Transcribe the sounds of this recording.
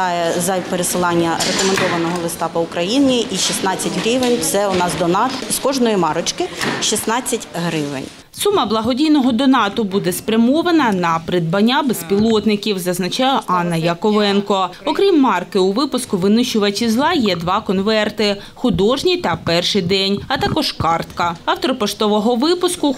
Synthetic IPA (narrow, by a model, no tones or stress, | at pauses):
ɑjɛzɐpeɾesɪlˠɑnʲːɐɾekɔmend̪ɔʋɐnɔɦɔlˠɪst̪ɑpɔʊkɾɐjinʲiʔiʃisnɑt͡sʲːɐtʲɦɾʲiʋenʲt̪sɛʊnɑzd̪ɔnɑt̪skɔʒnɔjimɑɾɔt͡ʃkɪʃisnɑt͡sʲːɐtʲɦɾɪʋḛnʲ | sumɐblˠɐɦɔdʲijnɔɦɔd̪ɔnɑt̪ɔbud̪ɛspɾʲɐmɔʋɐnɐnɐpɾɪd̪̚bɐnʲːabespʲilˠɔt̪nɪkʲiwzɐznɐt͡ʃɑjɛʔɑnːɐjɐkɔʋɛnkɔɔkɾʲimːɑrkɪʊʋɪpʊskʊʋɪnʊʃʊʋɐt͡ʃʲizlˠɑjɛd̪ʋɑkɔnʋɛrt̪ɪ | xʊd̪ɔʒnʲit̪ɐpɛrʃɪjd̪ɛnʲɐt̪ɑkɔʒkɑrt̪kɐɐwt̪ɔɾɔpɔʃt̪ɔʋɔɦɔʋɪpʊskʊ